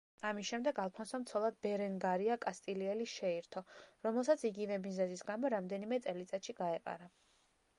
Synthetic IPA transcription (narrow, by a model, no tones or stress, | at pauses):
amisʃɛmd̪ɛɡalˠpʰɔnsɔmt̪sʰɔlˠad̪̚bɛɾɛŋɡaɾiakʼast̪ʼiliɛliʃɛiɾt̪ʰɔɾɔmɛlˠsat̪sʰiɡivɛmizɛzisɡamɔɾamd̪ɛnimɛt̪sʼɛlit̪sʼat̪ʃiɡaɛqʼa̰ɾa